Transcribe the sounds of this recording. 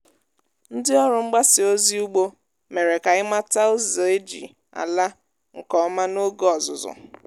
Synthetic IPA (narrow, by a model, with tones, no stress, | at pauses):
n̩˦dɪ˦ɔ˦ɾʊ˨ŋ͡m̩˦ɡ͡ba˦sɪ˨o˦zi˦u˦ɡ͡bo˦ | me˨ɾe˨ka˨ɪ˦ma˦ta˦o˦zo˨e˦d͡ʒḭ˨ | a̰˨la˦ | ŋ̩˨kɔ˨ɔ˦ma˦no˦ɡo˦ɔ˨zʊ̰˨zʊ̰˨